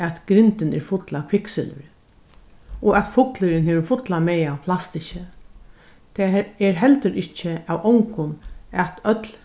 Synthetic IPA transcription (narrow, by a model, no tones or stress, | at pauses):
æt̪ɡ̥ɾɪnt̪ɪnɛ̰ɾfʊt̪lakʰɪksɪ̰lʏ̰ɾ | ɔat̪fʊt̪lɪɾɪnheːʋɪfʊt̪lamɛːjawpʰlast̪ɪɕə | t̪ʰɛɛɾɦɛlt̪əɾɪht͡ʃɪawʔɔwŋkʊnæt̪œt̪l